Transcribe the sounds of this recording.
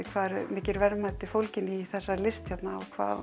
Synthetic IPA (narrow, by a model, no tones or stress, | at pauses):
ɪkʰvaːðɛɾmɪːcɪɾvɛɾmat̪ːɪfowlcɪniθɛsːalɪst̪çɛt̪naɔkʰva̰ː